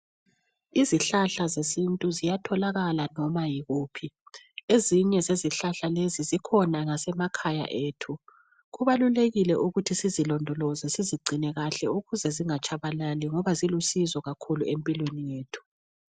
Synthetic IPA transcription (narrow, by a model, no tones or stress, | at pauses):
iziɬaɬazesintʼuzijatʰɔlaɣalanɔmajiɣuːpʰi | eziɲɛzeziɬaɬalezizikʰɔnaŋasɛmakʰaja̰ʔetʰu | ɣuβaluleɣilɛʔuɣutʰisizilɔndʱɔlɔzɛsiziɡ͡ǀʱinɛɣaɬɛuɣuzɛziŋat͡ʃʰʼaβalaliŋɔβazilusizɔɣakʰulṵʔempʼilwenijeːtʰu̥